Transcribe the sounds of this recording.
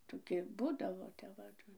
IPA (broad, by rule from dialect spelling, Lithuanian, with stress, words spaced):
ˈtoːˈkʲɪ ˈbuːdɐʋoː tʲɛp ˈʋɐ